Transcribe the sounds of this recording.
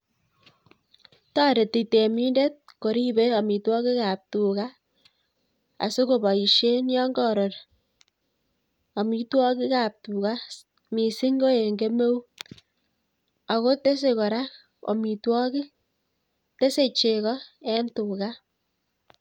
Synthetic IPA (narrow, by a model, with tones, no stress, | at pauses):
tɔ˦ɾe˨ti˨te˨mi˦nde˦t̚ko˨ɾi˦be˦ɔ˨mi˨twɔ˦ki˦ka˨p̚tu˨ka˦ | a̰˨su˦ko˨ba˨i˨ʃe˦njɔ˦ŋɡɔ˨ɾo˨ɾ | ɔ˨mi˦twɔ˦ki˦ka˨p̚tu˨ka˦ | mi˨si˦ŋɡo˦e˨ŋɡe˦me˦wu˦ | a˨ko˦te˦s̬e˨kɔ˨ɾa˦k | o̰˨mi˨twɔ˦ki˦ | te˦se˦t͡ʃe˨kɔ˦ɛ˦ntu˨ka˦